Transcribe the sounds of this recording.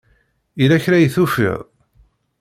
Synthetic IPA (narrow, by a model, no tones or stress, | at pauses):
ilæçɾæjθufḭðˤ